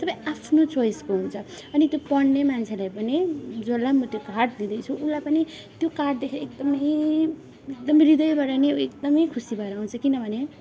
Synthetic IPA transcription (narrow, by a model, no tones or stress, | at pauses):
t̪ʌpãĩapʰnot͡sojskoɦunt͡sʰʌ | ʌnit̪jopʌɽnemant͡sʰelajpʌnid͡zolamʌt̪jokaʈd̪id̪ʌjt͡sʰuulːajpʌni | t̪jokaʈ̚d̪ekʰekd̪ʌmʌj | ekd̪ʌmɾid̪ʌjbaɽaneekd̪ʌmʌjkʰusibʱʌɾʌːw̃nt͡sʰʌkinʌbʱʌne